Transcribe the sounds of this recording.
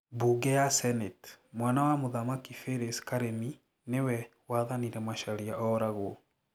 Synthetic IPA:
buɡɛjasɛnɛtmwanawamoðamakifeɾeskaɾemi | newɛ | waːðaniɾɛmaʃaɾiaʔɔɾaɣwɔ

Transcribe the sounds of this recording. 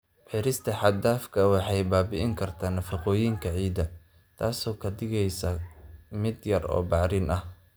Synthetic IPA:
ħɪɾɪst̪ʰɐħɑd̪aːfkʰɐwɑħɑjbaːbɪʔɪŋkʰɐrt̪ʰaːnɐfɑqɔːjiŋkʰɐʕiːd̪ɐ | t̪ʰaːsɔːkʰɐd̪ɪɣɛjsɐmɪd̪jɐrɔ̰ːbɑʕɾɪnʔɐh

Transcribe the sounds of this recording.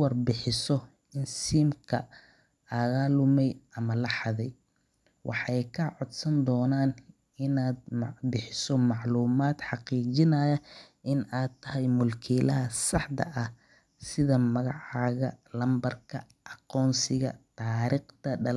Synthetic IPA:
wɑrbɪħɪsɔ | ɪnsiːmkʰɐ | ʔɐɣaːlʊmɛjɐmɐlɑħɑðɛj | wʔɑ̰ħɑjkʰɐʕɔd̪sɐnd̪ɔːnaːn | ɪnaːd̪̚mbɪħɪsɔmɑʕluːmaːd̪ħɑqiːt͡ʃɪnɐjɐ | ʔɪnaːd̪t̪ʰːɐɦɛjmʊlkʰiːlɐɦɐsɑħd̪ɐ̰ʔɐh | sɪðɐmɐɣɑʕɑːɣɐ̰lɐmbɐrkʰɐ | ʔɑqɔːnsɪɣɐ̰t̪ʰaːɾiːqt̪ʰɐɖɐl

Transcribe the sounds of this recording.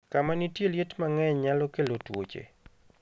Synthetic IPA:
kamanitjeljetmaŋɛɲɲːalɔkelotwo̰t͡ʃḛ

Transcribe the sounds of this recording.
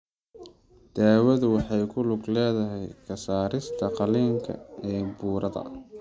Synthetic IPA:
d̪̥aːwɐðʊwɑħɑjkʰʊlʊɡlɛːðɐɦɛjkʰɐsaːɾɪst̪ʰɐqɑliːŋkʰɐ̰ɛːbuːɾɐðɐ̰

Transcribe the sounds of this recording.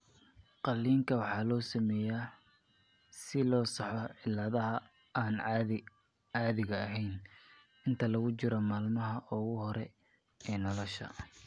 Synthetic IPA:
qɑlːiːŋkʰɐwɑħɑːlɔːsɐmɛːjaː | sɪlɔːsɑħɔʕɪlːɐðɐɦɐ | aːn | ʕɑːðɪɣɐːɦɛjn | ɪnt̪ʰɐlɐɣʊt͡ʃɪɾɔmaːlmɐɦɐʔɔɣʊhɔɾɛ | ɛːnɔlɔʃɐ̰

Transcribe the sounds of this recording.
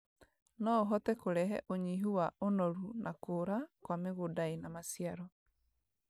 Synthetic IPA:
nɔoɦɔtɛkoɾɛɦɛ̰ʔoɲiɦuwaʔonɔɾunakoːɾakwameɣodaenamasiaɾɔ

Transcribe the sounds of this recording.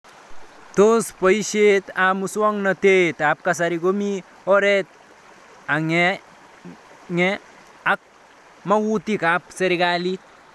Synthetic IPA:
t̪ospəjʃet̪amuswɔŋnət̪et̪ap̚kas̬aɾiɡomi | ɔɾet̪̚ | aŋe | ŋe | ak̚ | mawut̪ikapseɾiɡalit̪̚

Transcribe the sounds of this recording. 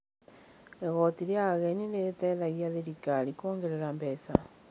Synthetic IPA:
eɣɔtiɾjaɣɛɲiletɛðaɣiaðeɾikalikoːŋɡeɾeɾambɛsa

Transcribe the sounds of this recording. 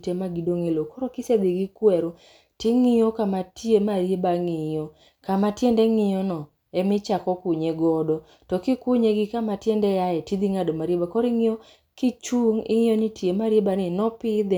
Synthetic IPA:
temaɡidoŋelokɔɾɔkɪsed̪ɪɡɪkwɛɾo | tɪŋɪjokamatiemaɾjebaŋɪjɔ | kamatjendɛŋɪjɔnɔ | ɛmɪt͡ʃakɔkʊɲeɡɔdɔ | tɔkɪkʊɲeɡɪkamatjɛndɛjaɛtid̪iŋadomaɾjebakɔɾɪŋɪo | kɪt͡ʃuŋɪ̰ŋɪjonitjemaɾjebanɪnɔpɪd̪

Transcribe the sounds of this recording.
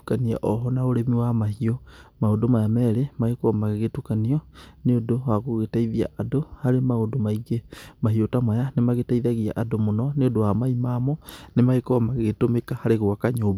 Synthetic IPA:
kania̰ʔɔɦɔnaoɾemiwamahiomaodomajamɛɾemaɣekoamaɣeɣetukaniɔneodowaɣoɣetaiðia̰ʔadohaɾemaodomaiɣemaɦiotamwajanemaɣetaiðaɣia̰ʔadomonɔneodowamaimaːmɔnemaekoamaɣɣetomekahaɾeɣwakaɲoːba

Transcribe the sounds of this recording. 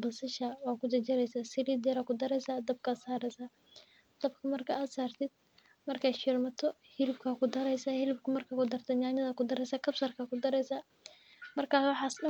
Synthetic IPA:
bɐsɪʃawaːkʰʊd̪ɐt͡ʃɛɾɛjsaːsɪliːd̪ɛɾakʰʊd̪ɐɾɛjsaːd̪ɐb̚kʰaːsaːɾɛsa | d̪̥ɐbkʰɐmɐrkʰaːʔaːd̪saːrt̪ʰɪd̪̥̚ | mɐrkʰaːʃɪrmɐt̪ʰɔhɪlɪbkʰaːkʰʊd̪ɐɾɛjsahɪlɪbkʰʊmɐrkʰaːkʊd̪ɐrt̪ʰɛd̪ɲaːnɐðɐkʊd̪ɐɾɛjsaːkʰɐbsɐrkʰaːkʊd̪ɐɾɛjsaː | mɐrkʰaːwɑħɑːsnɐ

